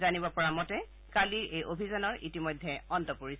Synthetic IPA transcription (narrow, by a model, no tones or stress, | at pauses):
zanibɔpɔɹamɔtɛ | kaliɹejʔobʱizanɔɹʔitimɔjdʱːɛɔntɔpoɹisɛ